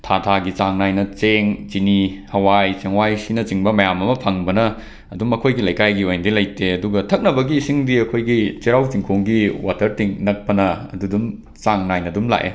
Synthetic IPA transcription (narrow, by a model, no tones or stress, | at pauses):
tʰatʰaɡit͡ʃaŋnajnɐt͡ʃeŋt͡ʃinihɐwajt͡ʃeŋwajsinɐt͡ʃiŋbɐmɐjamɐmɐpʰaŋbɐnɐː | dumɐkʰojɡilɐjkajɡiojndilɐjteɐduɡɐtʰɐk̚nɐbɐɡiːsiŋdiɐkʰojɡit͡ʃiɾawt͡ʃiŋkʰoŋɡiwatʰɐɾtiŋnɐk̚pɐnɐɐ̰dudum | t͡ʃaŋnajnɐdumla̰ʔḛ